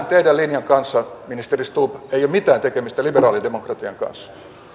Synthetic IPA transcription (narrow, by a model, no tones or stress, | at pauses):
nt̪eidælinjɑŋkɑnsːɑminist̪erist̪uːpeijomit̪æːnt̪ekemist̪æliberɑːlidemokrɑt̪iɑ̰ŋkɑ̰nsːɑ̥